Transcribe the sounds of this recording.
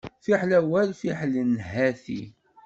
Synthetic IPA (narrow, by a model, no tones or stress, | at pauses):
fiħlæwælfiħlənɦæθḭ